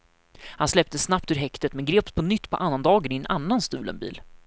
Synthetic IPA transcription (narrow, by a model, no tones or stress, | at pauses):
hanslɛp̚t̪əsːnapt̪ɵʉːɾɦɛkt̪ət̪mɛnɡɾeːp̪̚pʰɔnʏt̪ːpʰɔ̰ʔanːand̪ɑːɡənɪɛnʔa̰nːanst̪ʉ̟ːlə̰nbḭːl